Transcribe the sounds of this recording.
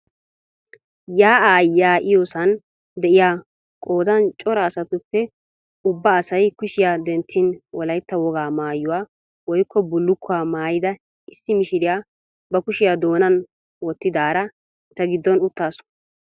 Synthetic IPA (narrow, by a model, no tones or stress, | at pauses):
jaːʔajːaːʔɪjoːsɐn | d̪ɛʔɪjaː | kʼo̞ːd̪ɐnt͡ʃʼɔɾɐːsɐt̪ʊpːɛ | ʊbːɐːsɐjkʊʃɪjaːd̪ɛnt̪ʰːɪnwɔlɐjt̪ːɐwɔɡaːmaːjːʊwaː | wɔjkʰːɔbʊlːʊkʰːʊaːmaːjɪd̪ɐ | ɪsːɪmɪʃɪɾɪjaː | bɐkʊʃɪjaːd̪oːnɐn | wɔt̪ːɪd̪aːɾɐ | t̪ːɐɡɪd̪ːɔnʊt̪ːaːsʊ̥